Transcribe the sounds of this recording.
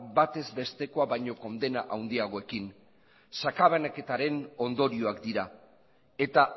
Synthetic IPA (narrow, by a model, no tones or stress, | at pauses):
bat̪e̞zbe̞st̪e̞ko̞aβajɲo̞ko̞nd̪e̞naʔawnd̪iaɣ̞o̞e̞kin | sakaβanake̞t̪aɾe̞no̞nd̪o̞ɾio̞akd̪iɾa | e̞t̪a